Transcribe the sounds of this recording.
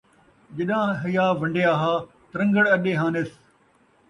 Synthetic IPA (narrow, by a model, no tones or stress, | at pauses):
d͡ʒɐɗãːɦɐjaːʋɐ̃ɳɖeaːɦaː | t̪ɾɐ̃ŋɡəɽɐɗeːɦãːnes